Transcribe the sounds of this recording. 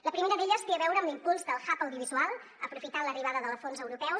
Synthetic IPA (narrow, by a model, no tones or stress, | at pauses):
ləpɾimeɾəðeʎəsfiəβɛwɾəmlimpulˠzðəlˠxapəwðiuβizualˠ | əpɾufit̪aləriβ̞aðəðəlˠfonzəwɾupɛw